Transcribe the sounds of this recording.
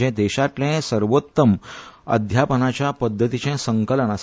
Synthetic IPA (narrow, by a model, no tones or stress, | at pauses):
ɛ̃d̪eɕat̪lɛ̃səɾʋot̪ːəmə̰d̪ʱjapənat͡ɕjapəd̪ʱːət̪it͡ɕɛ̃səŋkələnas